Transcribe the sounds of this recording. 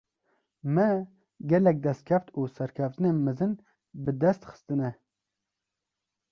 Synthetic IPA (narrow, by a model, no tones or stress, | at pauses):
mɛ | ɡɛlɛk̚d̪ɛst̪̚kʰɛft̪uːsɛɾkʰɛft̪ɨnenmɨzɨn | bɨd̪ɛst̪xɨ̥st̪ɨnɛ